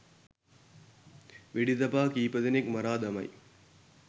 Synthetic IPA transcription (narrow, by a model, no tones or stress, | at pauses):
ʋɪɽiðɐpaːkiːpɐðɐnɪkmɐɾaːd̪ɐmɐɪ